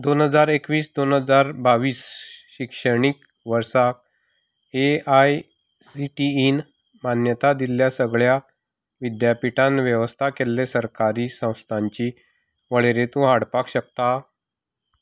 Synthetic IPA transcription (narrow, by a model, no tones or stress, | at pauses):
d̪onɦəd͡zaɾekʋiːsd̪onɦəd͡zaɾbaʋiːsɕikʂəɳ̃ik | ʋəɾsak̚ | eaj | siʈiin | manjət̪ad̪iljasəɡɭja | ʋid̪japiʈʰãnʋjeʋəst̪ʰakelːesəɾkaɾiːsə̃w̃st̪ʰaɲt͡ɕiː | ʋəɭeɾet̪ũːɦaɽpakɕək̚t̪a